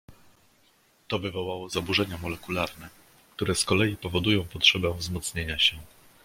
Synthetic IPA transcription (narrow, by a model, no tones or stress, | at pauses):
t̪ɔvɘvɔwawɔzabuʐɛɲamɔlɛkulaɾnɛ | kt̪uɾɛskɔlɛjipɔvɔd̪ujɔ̃w̃pɔtʂɛbɛ̃vzmɔt̪sɲeɲaɕɛ